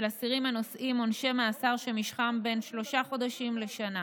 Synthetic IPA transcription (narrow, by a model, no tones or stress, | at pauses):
lasiʁimano̞sʔimo̞nʃe̞measaʁʃemiʃχambe̞nʃlo̞ʃaχo̞daʃimle̞ʃana